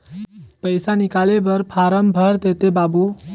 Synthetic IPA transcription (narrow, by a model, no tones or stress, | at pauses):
pəjsanikalebəɾpʰaɾəmbʱəɾd̪et̪ebabu